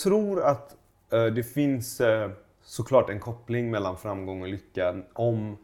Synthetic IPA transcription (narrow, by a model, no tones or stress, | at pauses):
t̪ʰɾuːɾat̪ | d̪ɛfɪns | sɔkʰlɑːʈɛnkʰɔpːlɪŋmɛlːanfɾamɡɔŋːɔlʏkːanɔm